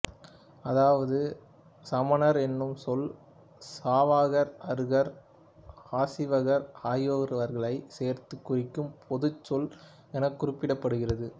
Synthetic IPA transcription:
ɐðaːʋɐðɯ | sɐmɐnɐɾɛnːɯmsɔl | saːʋaːɣɐɾɐɾɣɐɾ | aːsɪʋɐɣɐɾaːjoːɣɐɾʋɐɾɣɐɭɐɪseːɾt̪ɯkːʊrɪkːɯmpʰɔðɯt͡ʃːɔl | ɛnɐkːʊrɪpːɪɽɐpːɐɽɯɣɪrɐðɯ

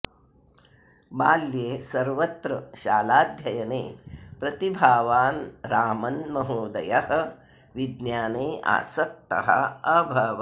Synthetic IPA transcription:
baːljeːsɐɾʋɐt̪ɾɐʃaːlaːd̪ʱjɐjɐnḛːpɾɐt̪ibʱaːʋaːnɾaːmɐnmɐɦoːd̪ɐjɐhɐ̆ | ʋid̪njaːneːa̰ːsɐk̚t̪ɐ̰ɦɐ̰ɐbʱɐʋɐ

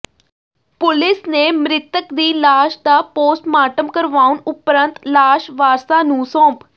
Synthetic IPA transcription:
pʊlɪsneːmɾɪt̪əkd̪iːlaːʃd̪aːpoːsʈmaːʈəmkəɾʋaːʊnʊpɾənt̪laːʃʋaːɾsaːnũːsɔ̃ːp

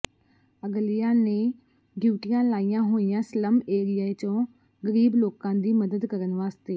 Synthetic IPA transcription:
əɡlɪjãːneː | ɡuːʈɪjãːlaːijãːɦoːɪ̃jãːsələmeːɾɪjaːet͡ʃõː | ɡəɾiːbloːkãːd̪iːməd̪əd̪kəɾənʋaːst̪eː

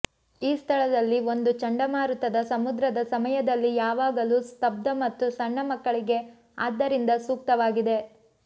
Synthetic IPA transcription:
iːst̪ʰɐɭɐd̪ɐlːio̞nd̪ut͡ʃɐɳɖɐmaːɾut̪ɐd̪ɐsɐmud̪ɾɐd̪ɐsɐmɐjɐd̪ɐlːijaːʋaːɡɐlust̪ɐb̚d̪ɐmɐt̪ːusɐɳːɐmɐkːɐɭiɡe̞ | aːd̪ːɐɾind̪ɐsuːk̚t̪ɐʋaːɡid̪e̞

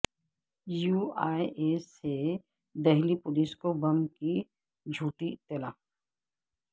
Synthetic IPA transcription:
juːaːieːse | d̪ɛɦlipʊliskobɐmki | d͡ʒʱuːʈit̪elaː

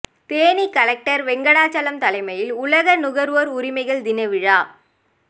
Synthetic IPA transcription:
t̪eːnikɐlɐk̚ʈɐɾʋɛŋɡɐɽaːt͡ʃɐlɐmt̪ɐlɐɪmɐjɪlʊlɐɣɐnʊɣɐɾʋɐɾʊɾɪmɐɪɣɐɭd̪ɪnɐʋɪɻaː

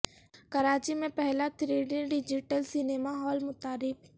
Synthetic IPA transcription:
kɐɾaːt͡ʃimẽpɛɦlat̪ʰɾeːɖɪ̃ɖɪd͡ʒɪʈəlsɪneːmaɦɔːlmʊt̪aːɾɪk

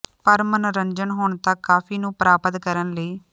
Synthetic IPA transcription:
pəɾmənɾəɲd͡ʒənɦoːɳt̪akːaːfʰiːnũːpɾaːpət̪kəɾənləiː

